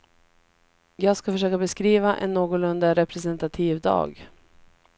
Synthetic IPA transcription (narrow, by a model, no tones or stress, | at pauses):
jɑːɡskafœʂøːkabɛskɾiːvaʔɛ̰nːoːɡʊlɵnd̪aɾɛpɾɛsɛnt̪at̪ʰiːvd̪ɑ̰ːɡ